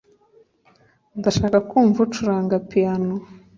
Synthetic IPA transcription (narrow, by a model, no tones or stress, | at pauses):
ndaʃaːkakuːɱvutuɾaːŋɡapiano